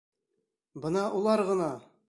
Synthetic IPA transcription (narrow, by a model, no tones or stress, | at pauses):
bɤnɑʔulˠɑɾʁɤ̆nɑ